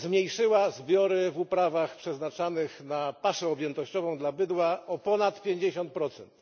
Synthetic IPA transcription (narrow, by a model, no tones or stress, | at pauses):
zmʲɲejʂɘwazbʲjɔɾɘvupɾavaxpʂɛznat͡ʂanɘxnapaʂɛɔbʲjɛnt̪ɔɕt͡ɕɔvɔ̃w̃d̪labɘd̪waɔpɔnat̪pʲjeɲd͡ʑeɕɔnt̪̚pɾɔt̪sɛnt̪